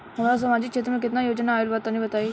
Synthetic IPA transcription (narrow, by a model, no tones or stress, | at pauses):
ɦɐmaːɾas̬əmaːd͡ʒɪk̚t͡ʃʰeːt̪ɾmẽk̬ɪt̪nãːjoːd͡ʒnaːɪlbaːt̪aːnĩːbət̪aːiː